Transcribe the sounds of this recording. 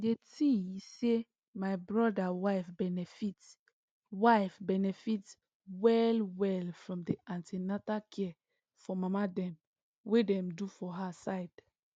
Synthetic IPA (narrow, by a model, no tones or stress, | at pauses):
detiise | maɪbɹɔdawaɪfbɛnɛfit | waɪfbɛnɛfit | wɛlwɛlfɹɔ̃mdeãntʰenatakʰɛ | fɔmamadɛ̃m | wedɛ̃mdufɔɦasaɪd̥